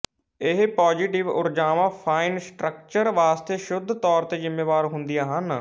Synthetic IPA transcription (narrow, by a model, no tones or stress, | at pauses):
ɪɦpɔːd͡ʒiːʈɪʋʊ̰ɾd͡ʒaːʋãːpʰaːinsʈɾək̚t͡ʃəɾʋaːst̪eːʃʊd̪ʱt̪ɔːɾt̪eːzɪmːeːʋaːɾɦʊnd̪ijaːɦən